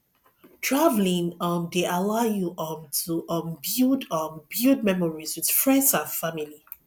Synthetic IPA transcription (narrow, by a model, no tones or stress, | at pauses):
tʰɹavlĩŋəmdeʔalaʊjuʔɔmtʰuʔɔ̃mbjudəmbjud̚mɛmɔɹizwið̥fɹɛ̃ndsãnfamili